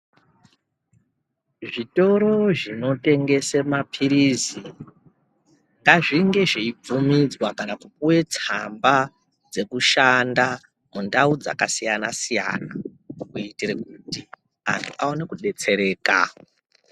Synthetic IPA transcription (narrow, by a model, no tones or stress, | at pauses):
ʐito̞ɾo̞ʐino̞te̞ŋɡe̞semapʰiɾizi | ŋɡaʐiŋɡe̞ʐeib͡vumid͡zwakanakupuwe̞t͡samba | d͡ze̞kuʃanda | mundaud͡za̰kasijanasija̰nakuitirekuti | a̰ntʰuʔaone̞kuɗe̞t͡se̞ɾe̞ːka̰